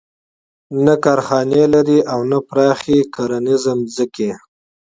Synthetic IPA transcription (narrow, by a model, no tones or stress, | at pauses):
nakɑːɾxɑnelaɾiʔawnapɾɑxekaɾanɪzəmzəke